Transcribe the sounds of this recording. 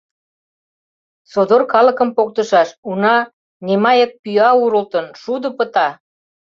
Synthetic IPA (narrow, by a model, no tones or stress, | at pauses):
sod̪orkɑlə̆kə̆mpok̚t̪əʃɑʃunɑ | nʲemɑjək̚pyɑuɾəlt̪ənʃud̪ə̆pət̪ɑ